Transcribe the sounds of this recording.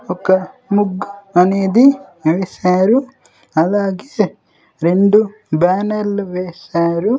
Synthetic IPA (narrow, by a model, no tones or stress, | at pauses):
ɔkɐ | muɡɐneːd̪iʋeːsaːɾu | ɐlaːɡe | ɾeɳɖu | baːnɐlʋeːsaːɾu